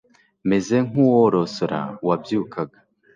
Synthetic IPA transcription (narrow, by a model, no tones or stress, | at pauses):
meze̞ŋ̥uwoɾosoɾa̰wabjuːkaɡa